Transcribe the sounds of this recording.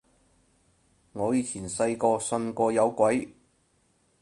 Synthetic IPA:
ŋɔː˨˧jiː˧t͡sʰiː˨˩nsɐ˧jkɔː˧sɵ˨˧nkɔː˧jɐ˨˧wkʷɐ˨˥j

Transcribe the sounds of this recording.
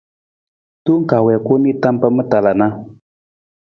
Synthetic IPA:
tu˦ŋ̩˦ka˨wɛ˨ko˦miː˦˨t̪a˦mpə˦mə˦ta˨la˨na˦

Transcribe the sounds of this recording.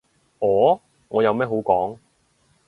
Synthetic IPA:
ʔɔː˨˥ | ŋɔː˨˧jɐ˨˧wmɛː˥ɦo˨˥wkɔː˨˥ŋ

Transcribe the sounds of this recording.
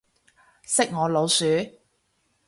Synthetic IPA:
sɪ˥k̚ŋɔː˨˧lo˨˧wsyː˨˧˥

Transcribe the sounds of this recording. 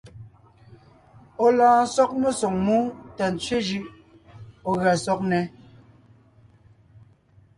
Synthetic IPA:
ɔ˨laː˨sɔ˦k̚mə˦˨so˨ŋmu˦ta˨n˨t͡sɥe˦d͡ʒɯ˦ʔ | ɔ˨ɣa˨sɔ˦k̚nɛ˨˦

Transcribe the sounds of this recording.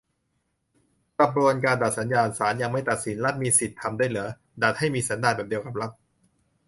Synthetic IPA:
pa˧p̚ɾu˧ənkaː˧nda˨˩t̪̚sa˩˦njaː˧nsaː˩˦nja˧ŋma˥˩jt̪a˨˩t̪̚si˩˦nla˦˥t̪̚miː˧si˨˩t̪ʰːa˧mda˥˩˨jlɯ˩˦ɐ | da˨˩t̪̚ha˥˩jmiː˧sa˩˦ndaː˥˩t̚bɛː˨˩di˧əwka˨˩p̚la˦˥t̪̚

